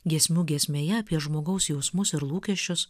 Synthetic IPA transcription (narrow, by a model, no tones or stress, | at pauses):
ɡʲiɛsʲmʲuːɡʲiɛsʲmʲeːjɛɐpʲiɛʒmoːɡɐʊsjɛʊsmʊsɪɾlˠuːkʲɛʃʲt͡ʃʲʊs